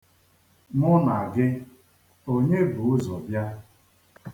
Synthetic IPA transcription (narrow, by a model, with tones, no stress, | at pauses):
mʊ˦na˨a˨ɡɪ˦ | o˦ɲe˦bʊ˨ʊ˦zɔ˨bja˦